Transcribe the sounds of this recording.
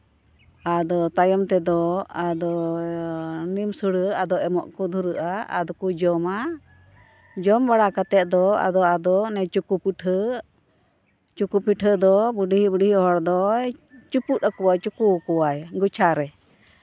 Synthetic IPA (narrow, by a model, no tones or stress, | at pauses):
ad̪ɔt̪ajɔmt̪ɛd̪ɔad̪ɔ | nimsuɽəad̪ɔʔɛmɔ̰ʔkɔd̪ʱuɾəʔaa̰d̪ɔkud͡ʒɔma | d͡ʒɔmbaɽakat̪ɛt̪̚d̪ɔa̰d̪ɔad̪ɔnɛt͡ʃukupuʈʰə | t͡ʃukupiʈʰəd̪ɔbuɖiɦibuɖiɦiɔɦɔɽd̪ɔt͡ʃuput̪̚akuwat͡ʃukukuwajɡut͡ʃʰaɾɛ